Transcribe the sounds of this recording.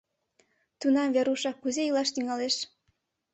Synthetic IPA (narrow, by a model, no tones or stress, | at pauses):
t̪unɑmveɾuʃɑkːuzejilɑʃt̪yŋɑleʃ